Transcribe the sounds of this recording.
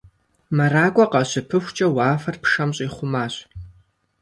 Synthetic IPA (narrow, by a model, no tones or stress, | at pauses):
mɐɾaːkʷʼɔqɐɕɪpʰɨxʷt͡ʃʼɐwaːfɐrpʂɐmɕʼiːχʷʊmaːɕ